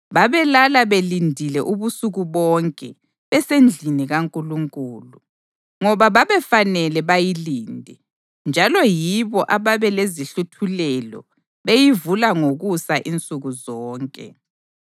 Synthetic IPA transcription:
βaβɛlalaβelindʱilɛʔuβusuɣuβɔŋkʼɛ | βɛsend͡ɮʱiniɣaŋkʼuluŋkʼuːlu | ŋɔβaβaβɛfanɛlɛβajiliːndʱɛ | nd͡ʒʱalɔjiβɔʔaβaβɛleziɬutʰulɛlɔ̰ | βejivulaŋoɣusaʔint͡sʼuɣuzɔːŋkʼɛ̰

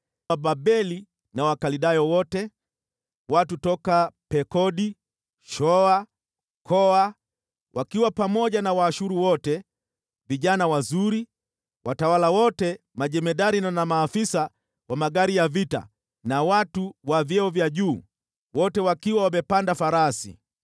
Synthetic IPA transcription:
abaɓɛli | nawakaliɗajɔwɔtɛ | watutɔkapɛkɔɗi | ʃɔa | kʰɔa | wʔakiwapamɔʄanawaːʃuɾuwɔtɛ | viʄanawazuɾi | wʔatawalawɔtɛ | maʄɛmɛɗaɾinanamaːfisa | wamaɠaɾijavita̰ | nawatuwavjɛɔvjaʄuː | wɔtɛwakiwawamɛpandafaɾasḭ

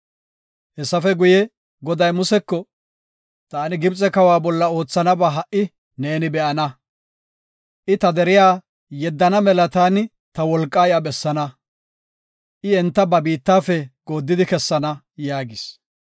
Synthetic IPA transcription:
hɛsːɐfɛɡʊjɛ | ɡɔd̪ɐjmʊsɛkːɔ | t̪aːnɪɡɪbt͡sʼɛkɐwaːbɔlːɐo̞ːt͡sːɐnɐbaɦɐʔɪ | neːnɪbɛʔɐnɐ | ʔɪt̪ɐd̪ɛɾɪjaː | jɛd̪ːɐnɐmɛlɐt̪aːnɪ | t̪ɐwɔlkʼːaːjɐbɛsːɐnɐ | ʔɪɛnt̪ːɐbɐbiːt̪ːaːfɛɡ̥o̞ːd̪ːɪd̪ɪkɛsːɐnɐ | jaːɡɪs

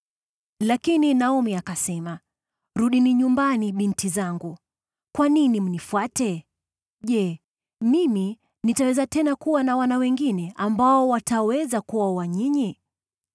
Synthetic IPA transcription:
lakininaumiakasɛma | ɾuɗiniɲumbaniɓintʰizaŋɡu | kwaninim̩nifuatɛ | ʄɛ | mimi | nitawɛzatɛnakuwanawanawɛŋɡinɛʔambaɔwatawɛzakuwauwaɲiɲi

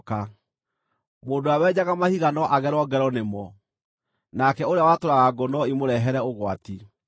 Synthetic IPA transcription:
ka | moːndoawɛːd͡ʑaɣamahiɣanɔʔaɣɛɾɔɡɛɾɔnemɔ | nakɛoɾeawatoɾaɣaɡɔnɔimoɾɛɦɛɾɛoɣwati

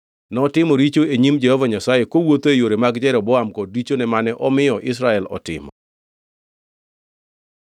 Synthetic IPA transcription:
nɔtɪmɔɾit͡ʃoeɲimd͡ʒɛhɔvaɲasajekowot̪oejoɾemaɡd͡ʒɛɾɔbɔamkɔd̚ːit͡ʃonɛmanɛʔɔmɪjɔʔɪs̬ɾaɛlɔ̰tɪ̰mɔ

